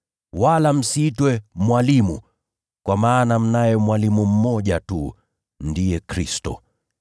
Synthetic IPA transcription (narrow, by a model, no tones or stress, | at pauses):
walam̩sitwɛmwalimṵ | kwamaːnam̩najɛmwalimum̩mɔʄatu | ndijɛkɾistɔ̰